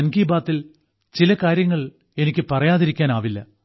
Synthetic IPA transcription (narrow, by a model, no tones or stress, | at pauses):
nɡiːbaːt̪ːil | t͡ɕilɐkaːɾjɐŋːɐɭ | e̞nikʲːɨpɐrɐjaːðiɾikʲːaːnaːʋilːɐ̰